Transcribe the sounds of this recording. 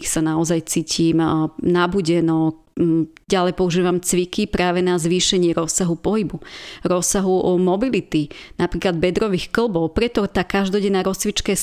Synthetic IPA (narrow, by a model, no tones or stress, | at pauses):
sanaɔzajt͡siːcʰiːmnabuɟɛnɔ | ɟalɛjpɔuʒiːʋamt͡sʋikipɾaːʋɛnazʋiːʃɛɲɪɛɾɔsːaɦupɔɦibuɾɔsaɦumɔbilit̪inapɾiːklad̪̚bɛd̪ɾɔʋiːxkl̩bɔʊpɾɛt̪ɔt̪aːkaʒd̪ɔɟɛnaːɾɔst͡sʋit͡ʃkɛ